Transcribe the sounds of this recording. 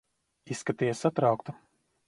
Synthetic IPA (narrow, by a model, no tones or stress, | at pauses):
isːkat̪ijɛsːat̪ɾawkt̪u